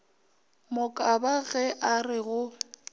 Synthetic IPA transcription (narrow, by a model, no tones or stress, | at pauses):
mʊkʼabaɣɛʔarɪɣʊ